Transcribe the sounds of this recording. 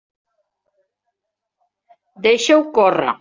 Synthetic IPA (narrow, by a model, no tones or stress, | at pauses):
d̪ejʃewkɔra̰